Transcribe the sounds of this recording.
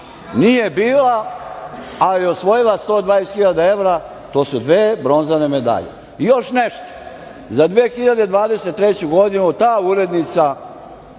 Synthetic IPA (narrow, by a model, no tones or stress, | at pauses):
nije̞biːla | alijieosʋo̞jilast̪o̞ːd̪ʋaːd̪eset̪xiʎad̪ae̞ʋɾa | t̪o̞ːsud̪ʋeːbɾo̞nzaneme̞d̪a̰ʎḛ | ijo̞ʃneʃt̪o̥ | zad̪ʋeːxiʎad̪ed̪ʋaːd̪e̞set̪ːɾet͡ɕuɡo̞d̪inut̪aːuɾe̞d̪nit̪sa